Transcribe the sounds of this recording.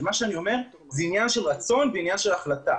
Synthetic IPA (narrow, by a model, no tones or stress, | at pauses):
maʃeanio̞me̞ʁ | zɛinjanʃe̞lʁat͡so̞nveinjanʃelaχlat̪a